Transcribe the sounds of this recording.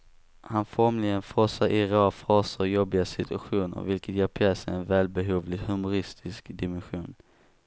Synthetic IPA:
hanfɔɾmlɪɡənfɾɔsaɾʔɪɾɛfɾɑːsəɾjɔbːɪɡasɪt̪ʰɵaɧuːnə̰ɾvɪlkət̪jɛːɾpʰɾɛːsɛɛnvɛːlbɛɦuːvlɪɡhɵmʊɾɪst̪ʰɪskd̪ɪmɛnɧuːn

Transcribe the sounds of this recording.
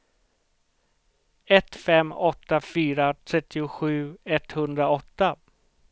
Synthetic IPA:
ɛt̪fɛmːɔt̪ːafyːɾat̪ʰɾɛt̪ːɪʊɧʉ̟ːɛt̪hɵnd̪ɾaɔt̪ːa

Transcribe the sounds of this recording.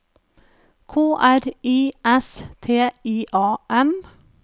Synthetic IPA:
kʰoːʔæɾiːʔɛst̪ʰeːiːʔɑːʔɛn

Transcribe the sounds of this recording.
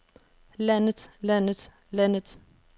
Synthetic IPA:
lænət̪lænət̪ | lænət̪

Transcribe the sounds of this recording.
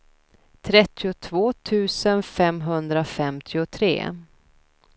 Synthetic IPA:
t̪ʰɾɛt̪ʰːɪʊt̪ʰvoːt̪ʰʉ̟ːsənfɛmɦɵnd̪ɾafɛmt̪ʰɪʊt̪ʰɾḛː

